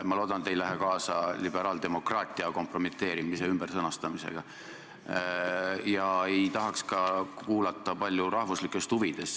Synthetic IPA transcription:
mɑlo̞ːd̪̥ɑnet̪ːe̞jlæɦekɑːsɑlibe̞ɾɑːld̪̥e̞mo̞krɑːt̪ʲːˑiɑko̞mpro̞mit̪ːˑe̞ːɾimiseymb̥ersɤnɑst̪ɑmise̞̰ɡ̥ɑ | jɑe̞jjt̪ɑɦɑkskɑkuːlɑt̪ːˑɑpɑlʲjuɾɑhvuslikːˑe̞st̪uvid̪̥e̞s

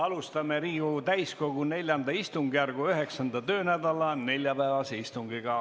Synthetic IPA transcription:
ɑlust̪ɑmeɾiːɡut̪æjsko̞ɡ̥une̞lʲjɑnd̪ɑist̪uŋɡijærɡ̥uøɦe̞ksɑnd̪ɑt̪ø̞ːnæd̪ɑlɑne̞lʲjɑpæːvɑseist̪uŋɡiɡ̥ɑ

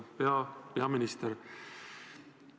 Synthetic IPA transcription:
peɑpe̞ɑminʲist̪eɾ

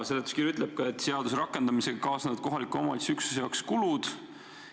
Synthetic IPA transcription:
se̞d̪et̪ːˑu̥skirjyt̪ːˑleb̥̚kɑet̪ːˑse̞ɑd̪us̬ɾɑkːˑe̞nd̪̥ɑmise̞ɡ̥ɑkɑːsnevɑd̪̥̚ko̞ɦɑlikuomɑ̰d̪ʲisyksu̥sejɑkskulud̪̥

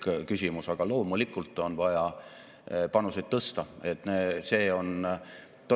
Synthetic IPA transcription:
kkysʲimusɑɡ̥ɑlo̞ːmulikːˑult̪ːˑo̞nvɑjɑ | pɑnused̪t̪ːɤst̪ɑe̞t̪ːˑnese̞ːo̞n | t̪o

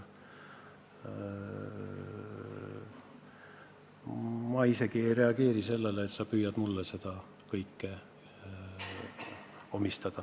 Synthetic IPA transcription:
mɑise̞ɡ̥ie̞jre̞ɑɡ̥e̞ːɾise̞lːeleːt̪sɑpyːjɑd̪mulːese̞d̪̥ɑ | kɤjkːe | o̞mist̪ɑd̪̥ɑ

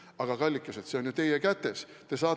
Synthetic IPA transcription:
ɑɡ̥ɑkɑlʲːikːˑɑset̪se̞o̞nʲjut̪e̞jekæt̪ːe̞s | t̪e̞sɑː

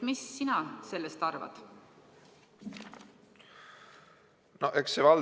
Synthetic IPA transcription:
misːinɑse̞lːest̪ɑrvɑ̰d̪̥ | noʔeksevɑl

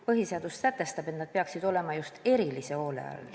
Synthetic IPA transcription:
pɤɦiseɑd̪usːæt̪ːˑe̞st̪ɑb̥et̪nɑd̪̥̚peɑksid̪̥o̞le̞mɑjust̪e̞ɾilise̞o̞ːlḛɑ̰l

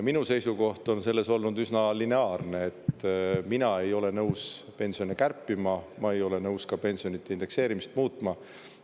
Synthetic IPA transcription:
minuse̞jsuko̞ht̪o̞nse̞lːe̞so̞lnud̪ysnɑlineɑːrneet̪minɑe̞jo̞le̞nɤwspe̞nsio̞nekærpːˑimɑmɑe̞jo̞le̞nɤwskɑpe̞nʲsio̞nit̪ːe̞ind̪e̞kse̞ːɾimist̪̚muːt̪ːˑmɑ

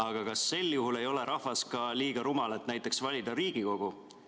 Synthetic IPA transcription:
ɑɡ̥ɑkɑsːe̞lːjuɦule̞jo̞le̞ɾʔɑhvɑskɑliːɡ̥ɑɾumɑlet̪ːnæjt̪ːˑe̞ksvɑlʲid̪̥ɑɾiːɡ̥iko̞ɡ̥u

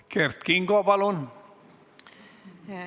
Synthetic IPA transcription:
keɾt̪̚kiŋɡoabalon

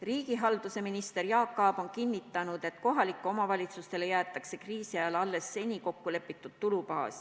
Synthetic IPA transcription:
riːɡ̥iɦɑld̪̥use̞minist̪e̞rjɑːkːˑɑːb̥o̞nkinːit̪ːˑɑnud̪̥e̞t̪ko̞ɦɑlikːˑuo̞mɑvɑlʲit̪sust̪e̞le̞jæːt̪ːˑɑkse̞kriːsiɑjɑlɑlːe̞sːe̞nʲiko̞kːule̞pːˑit̪ːˑud̪t̪ulupɑːs

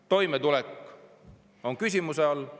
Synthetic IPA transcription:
t̪o̞jmet̪ulekː | o̞nkys̬ʲimuseɑlː

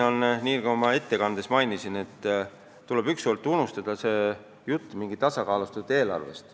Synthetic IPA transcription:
onniːkɑomɑe̞t̪ːe̞kɑnd̪e̞smɑjnisine̞t̪ː | t̪ule̞byksolt̪ːˑunːust̪ɑd̪̥ɑse̞ː | jut̪ːˑmiŋɡit̪ɑsɑkɑːlust̪ud̪̥e̞ːlɑ̰rve̞̰st̪

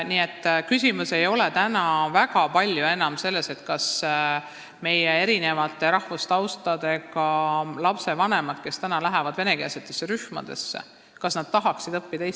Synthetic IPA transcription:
niːe̞t̪ːkysʲimuse̞jo̞let̪ænɑvæɡɑpɑlʲjue̞nɑmse̞lːe̞se̞t̪kɑs | me̞jee̞ɾine̞vɑt̪ˑːe̞ɾɑhvust̪ɑwst̪ɑd̪̥e̞ɡɑlɑpse̞vɑne̞mɑd̪̥ke̞st̪ænɑlæɦevɑd̪̥ve̞ne̞keːset̪ːˑesːeɾyhmɑ̰d̪̥e̞̰sːḛ | kɑsnɑd̪̥̚t̪ɑɦɑksid̪ɤpːid̪̥es

